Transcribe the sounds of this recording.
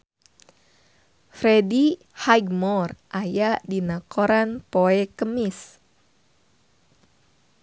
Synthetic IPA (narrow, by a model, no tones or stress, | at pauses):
fɾɛdi | hajɡmɔrʔajaʔdinakɔɾanpoɛkəmis